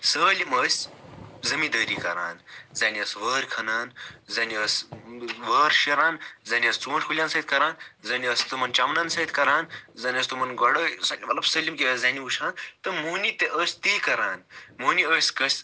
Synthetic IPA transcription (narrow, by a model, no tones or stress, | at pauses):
səːliməːsʲzɐmid̪əːɾikɐ̰ɾa̰ːnzaːniəsʋəːɾkʰɐnaːnzɐːniəsʋəːɾʃiɾaːnzaːniəst͡suːʃkʰulʲjaːnsɐːt̪ʲkɐɾaːnzɐniəst̪umɐnt͡ʃamnaːnsɐit̪ʰʲkɐɾaːnzɐːnʲiəːst̪umɐnɡɐɽɐsaʋɐlɐbsəlʲimkʲiəzaːniuʃʰaːnt̪ɐmoːnit̪eʔəːsʲt̪ikɐɾaːnmoːniəːsʲkɐsʲ